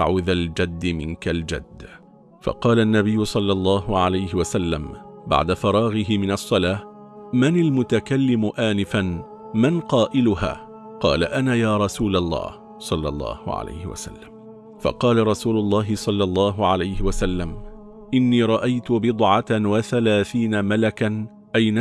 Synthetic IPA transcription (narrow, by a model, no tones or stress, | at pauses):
a̰ʕuːðald͡ʒad̪ːɪmɪnkald͡ʒa̰d̪ː | fɑ̰qɑːlanːabɪjːʊsˤɑlːɑlˤːɑːɦʊʕalajɦɪwasalːamba̰ʕd̪afɑɾˤɑːɣɪɦɪmɪnɑsˤːɑlaː | manɪlmʊt̪akalːɪmʊʔaːnɪfan | manqɑːʔɪlʊɦa̰ː | qɑ̰ːlaʔanaːjaːɾˤɑsuːlalˤːɑ̰ːh | sˤɑlːɑ̰lˤːɑ̰ːhʕa̰la̰jhɪ̰wa̰sa̰lːam | fɑ̰qɑːlaɾˤɑsuːlʊlˤːɑːɦɪsˤɑlːɑlˤːɑːɦʊʕalajhɪwasalːam | ʔɪnːiːɾˤɑʔajt̪ʊbɨd̪ˤʕɑt̪awaθalaːθiːnamalakan | ʔajna